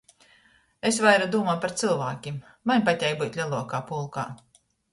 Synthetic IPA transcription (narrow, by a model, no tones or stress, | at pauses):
esvajɾad̪uːmajpaɾt̪sɨlˠvaːkʲim | manʲpatʲɛjbut̪ʲlʲalˠuɔkaːpulˠka̰ː